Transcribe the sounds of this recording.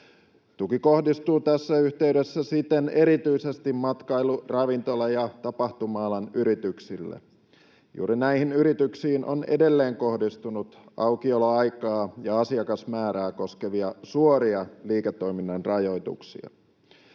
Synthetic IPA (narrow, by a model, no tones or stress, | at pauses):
t̪ukiko̞hdist̪uːt̪æsːæyçt̪eyɥdesːæsit̪ene̞ɾit̪yise̞st̪immɑt̪kɑjlurɑʋint̪o̞lɑjɑt̪ɑpɑht̪umɑːlɑnyɾit̪yksilːḛ | jṵːɾinæihinyɾit̪yksiːnʔo̰nḛde̞lːeːŋko̞hdist̪unut̪ʔɑukioloɑjkɑːjɑɑsiɑkɑsmæːɾæːko̞ske̞ʋiɑsuoɾiɑliːket̪ːo̞jminːɑnrɑjo̞jt̪ṵksḭɑ̰